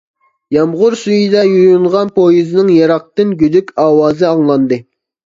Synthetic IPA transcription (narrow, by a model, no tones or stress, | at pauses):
jɑmʁʊɾsyjid̪ɛjuɾjuɴʁɑnpʰojizɨnɨŋjɑɾɑq̚t̪ɨnɡʲyd̪ykʲɑːwɑːzɨɑŋlˠɑnd̪ɨ